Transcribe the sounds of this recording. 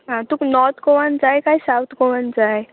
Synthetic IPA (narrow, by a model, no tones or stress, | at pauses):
ɦãt̪unɔɾt̪ʰkɔʋand͡zajkaisawt̪ʰkoʋənd͡zaj